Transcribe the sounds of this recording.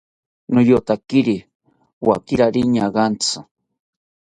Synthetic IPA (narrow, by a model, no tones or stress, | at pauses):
nojot̪akiɾi | wa̰kiɾaɾiɲaɢant͡sʰa